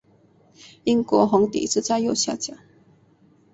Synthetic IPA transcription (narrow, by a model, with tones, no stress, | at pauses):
i˥ŋkwɔ˧˥˦xʊ˧˥ŋt̪ḭ˨t͡sɹ̩˥˧t͡sa˥˧ɪjo˥˧˨ʊɕja̰˥˨t͡ɕja˨˩˦ŋ